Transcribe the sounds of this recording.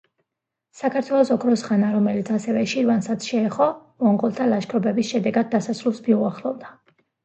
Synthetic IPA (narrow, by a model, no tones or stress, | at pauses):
sakʰaɾt̪ʰwɛlˠɔsɔkʰɾɔsʁanaɾɔmɛlit̪sʰasɛvɛʃiɾvansat̪sʰʃɛɛχɔmɔŋqɔlˠt̪ʰalaʃkʰɾɔbɛbisʃɛd̪ɛɡad̪̚ːasasɾulˠsbiuaχlˠɔvd̪a